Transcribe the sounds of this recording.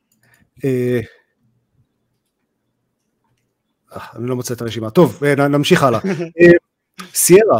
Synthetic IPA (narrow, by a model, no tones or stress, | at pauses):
e | aanilo̞mot͡seet̪aʁeʃimat̪o̞venanamʃiχalae | sieʁa